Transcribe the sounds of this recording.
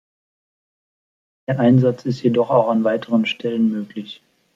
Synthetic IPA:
d̥eːɐʔaɪnzat͡sɪstjedɔχaʊxanvaɪtʰəʁ̞ənʃtʰɛlənmøːklɪç

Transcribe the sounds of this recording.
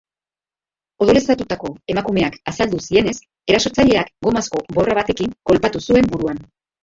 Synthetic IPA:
o̞ðole̞st̪at̪ut̪ako̞e̞makume̞akasald̪usie̞ne̞s | e̞ɾaso̞t͡saʎe̞akɡo̞masko̞bo̞raβat̪e̞kiŋko̞lpat̪usue̞mbuɾuan

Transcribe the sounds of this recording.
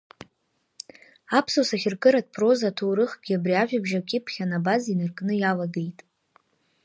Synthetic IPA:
apʰsosaχʲɪrkʼɨɾadpʰro̞zatʰowɾɨχɡʲɪabrʲiaʒᶣabʒakʲʼɪpʰχʲanabazinɨrkʼnɨjalaɡejtʼ

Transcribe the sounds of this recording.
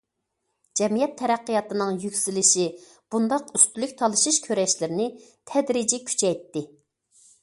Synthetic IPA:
d͡ʒɛmijɛt̪ʰːɛɾæqːəjɑt̪ɨnɨŋjykʲsilɪʃi | b̥und̪ɑqyst̪ylykʲt̪ʰɑlˠɨʃiʃkʲʰøɾɛʃlɪɾɪnɪt̪ʰɛd̪ɾid͡ʒikʲʰy̥t͡ʃʰɛjt̪ːɪ

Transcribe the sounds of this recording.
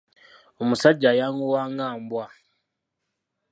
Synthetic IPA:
omusaɟːajaːŋɡuwaːŋaːmbwa

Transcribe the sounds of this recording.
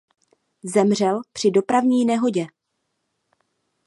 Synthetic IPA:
zɛmr̝ɛlpr̝̥ɪdo̞pɾavɲiːnɛɦo̞ɟɛ

